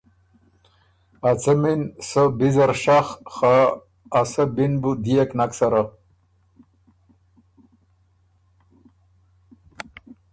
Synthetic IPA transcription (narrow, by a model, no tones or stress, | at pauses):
at͡sɐminsəbizɐɾʂaxχaː | sɐbinbud̪ijeknaksaɾa